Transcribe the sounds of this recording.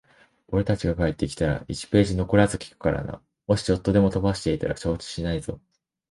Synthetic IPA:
o̞ɾe̞t̪at͡ɕiɡakaet̪ːe̞kʲi̥t̪aɾa̰it͡ɕi̥pe̞ːʑino̞ko̞ɾazɨkʲi̥kɯ̥kaɾa̰na̰ | mo̞ɕi̥t͡ɕo̞t̪ːo̞d̪e̞mo̞t̪obaɕi̥t̪e̞it̪aɾaɕo̞ːt͡ɕi̥ɕinaiz̥o̞̰

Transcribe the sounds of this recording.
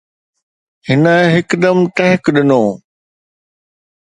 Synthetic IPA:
hɪnəɦɪkd̪ɐmʈ̪ɐɦɪkɗɪnoː

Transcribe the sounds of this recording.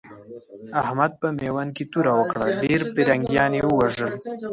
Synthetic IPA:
ahmad̪̚pəmewanket̪uɾawəkɽaɖeɾpiɾaŋɡjɑnjewəwaʒəl

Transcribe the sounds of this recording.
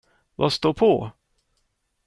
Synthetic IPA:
va̰st̪oːpʰo

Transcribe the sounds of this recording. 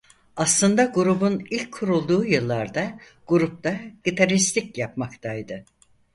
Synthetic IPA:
aslˠɯnd̪aɡuɾubunilʲcʰːuɾulˠd̪uːjɯlˠːaɾd̪a | ɡ̥uɾup̚t̪aɟ̥it̪ʰaɾist̪ʰicjapmakt̪ʰajd̪ɯ

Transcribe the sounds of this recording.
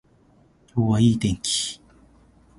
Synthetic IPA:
coːwaiːt̪eŋki̥

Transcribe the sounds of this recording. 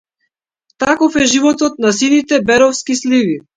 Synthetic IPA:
t̪akɔfɛʒivɔt̪ɔt̪̚nasinit̪ɛbɛɾɔfskislivi

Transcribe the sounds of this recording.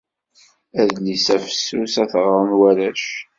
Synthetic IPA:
æðlisæfə̥sːusæθʁɾˤənwæɾæʃ

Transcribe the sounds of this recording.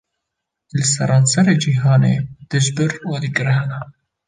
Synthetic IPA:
lɨsɛɾɑːnsɛɾed͡ʒiːɦɑːnḛːd̪̥ɨʒbɨɾwɑd̪iɡɨɾɦɛna

